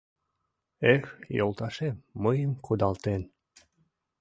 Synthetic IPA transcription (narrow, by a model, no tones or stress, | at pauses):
exjolˠt̪ɑʃemːəjəmkud̪ɑlt̪en